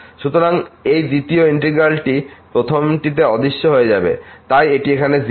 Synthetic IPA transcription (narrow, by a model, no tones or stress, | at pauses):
ʃut̪oɾaŋejd̪it̪ioiɳʈɾiɡɾalʈipɾot̪ʰomʈit̪̬eɔd̪iʃːoɦoed͡ʑa̰bḛt̪ajeʈiekʰanez